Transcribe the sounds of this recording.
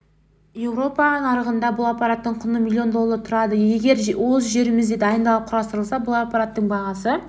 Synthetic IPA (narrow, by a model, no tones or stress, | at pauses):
je̞wɾo̞pɑnəɴɑɾəʁənd̪ɑbʊlˠɑpːɑɾat̪ːəɴqʰʊnəmʲilʲˠːio̞nd̪o̞lːˠɑɾət̪ʰʊɾɑd̪əjje̞ɡʲe̞ɾwo̞zʒe̞ɾɪmɪzd̪e̞d̪ɑjənd̪ɑlˠəp̚qʰʊɾɑst̪əɾəlˠsɑbʊlˠɑpːɑɾat̪ːəɴbɑʁɑsə